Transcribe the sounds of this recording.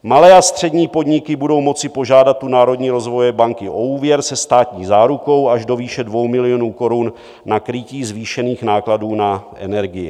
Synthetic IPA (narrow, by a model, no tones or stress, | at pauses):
malɛːast̪r̥ɛdɲiːpo̞dɲɪkɪbudo̞wmo̞t͡sɪpo̞ʒaːdat̪ːunaːɾo̞dɲiːɾo̞zvo̞jɛbaŋkɪʔo̞uːvjɛɾsɛst̪aːt̪ɲiːzaːɾuko̞waʒdo̞viːʃɛdvo̞wmɪlɪo̞nuːko̞ɾunː | akɾɪciːzviːʃɛniːxnaːkladuːnaʔɛ̰nɛɾɡɪjɪ̰